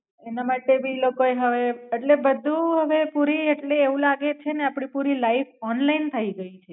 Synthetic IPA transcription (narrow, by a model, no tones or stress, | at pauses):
enamaʈebʱilokoeɦəʋeeʈlebəd̪ʱũɦəʋepuɾieʈleːʋũlaɡet͡ʃʰeneapɽ̃ipuɾilaifɔnlaint̪ʰəiɡəit͡ʃʰe